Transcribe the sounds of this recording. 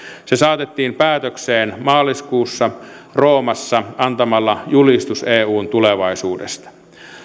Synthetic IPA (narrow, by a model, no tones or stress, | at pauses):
sesɑːt̪et̪ːiːmpæːt̪økseːnmɑːliskuːsːɑroːmɑsːɑɑnt̪ɑmɑlːɑjulist̪useːuːnt̪uleʋɑisuːdḛst̪ɑ̥